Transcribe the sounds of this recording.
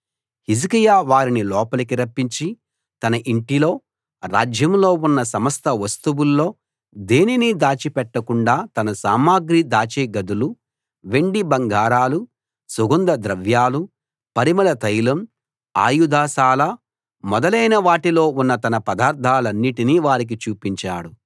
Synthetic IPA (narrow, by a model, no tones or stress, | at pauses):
hizikijaːʋaːɾinilɔːpɐlɐkiɾɐpːiɲt͡ʃi | t̪ɐnɐʔiɳʈilo̞ː | ɾa̰ːd͡ʒjɐmlo̞ːunːɐsɐmɐst̪ɐʋɐst̪uwulːo̞ː | d̪e̞ːninid̪aːt͡ʃipɛʈːɐkuɳɖaːt̪ɐnɐsaːmaːɡɾid̪aːt͡ʃeːɡɐd̪ulu | ʋe̞ɳɖibɐŋɡaːɾaːlu | suɡund̪ɐd̪ɾɐʋjaːlu | pɐɾimɐlɐt̪ɐjlɐm | a̰ːjud̪aːʃaːlɐ | mɔd̪ɐlɐjnɐʋaːʈilo̞ːunːɐt̪ɐnɐpɐd̪aːɾt̪ʰaːlɐnːiʈiniːʋaːɾik̬it͡ʃuːpiɲt͡ʃa̰ːɽu